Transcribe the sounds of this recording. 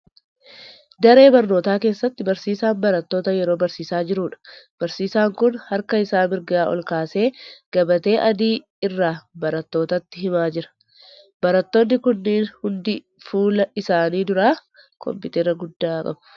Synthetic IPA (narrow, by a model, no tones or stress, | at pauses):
d̪ɐɾe̞ːbɐɾno̞ːt̪aːke̞ːsːɐt̪ːɪbɐɾsiːsaːmbɐɾɐt̪ːo̞ːt̪ɐjɛɾo̞ːbɐɾsiːsaːd͡ʒɪɾuːᶑɐ̥ | b̥ɐɾsiːsaːŋkʊnhɐɾkɐɪsaːmɪɾɡaːʔɔ̰lkaːse̞ːɡ̥ɐbɐt̪e̞ːʔɐd̪iː | ɪrːaːbɐɾɐt̪ːo̞ːt̪ɐt̪ːɪɦɪmaːd͡ʒɪɾɐ̥ | b̥ɐɾɐt̪ːoːnːɪkʊnːiːnhʊnd̪ɪ | fuːlɐʔɪsaːniːd̪ʊɾaː | kʰɔ̰mpɪt̪ɛɾɐɡʊd̪ːaːkʼɐ̰bʊ